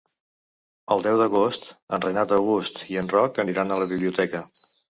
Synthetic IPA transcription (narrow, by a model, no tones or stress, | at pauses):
əlˠd̪ɛwd̪əɣost̪ənrənat̪əwɣust̪iənrɔkəniɾanələβiβliut̪ɛkə